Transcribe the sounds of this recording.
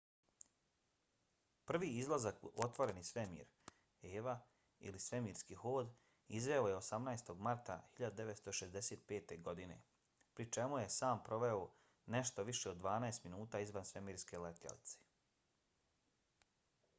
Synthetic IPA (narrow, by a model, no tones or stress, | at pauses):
pr̩ʋiːizlˠazako̞t̪ʋo̞ɾe̞nisʋemḭːɾ | eːʋa | ḭlisʋe̞miːɾskixoːd̪ | izʋe̞ojeosamnaest̪o̞ɡmaɾt̪a̰hiʎad̪ud̪e̞ʋet̪st̪o̞ʃezd̪eseːt̪̚pe̞ːt̪e̞ɡo̞d̪ine̞̰ | pɾit͡ʃe̞muje̞saːmpɾo̞ʋe̞o | ne̞ʃt̪o̞ʋiʃe̞od̪ːʋaːnaest̪minuːt̪aːizʋansʋemiːɾske̞let̪ʎa̰lḭt̪se̥